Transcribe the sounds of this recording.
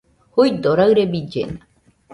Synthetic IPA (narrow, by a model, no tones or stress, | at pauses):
hujd̪oɾaɰɾebid͡ʒḛna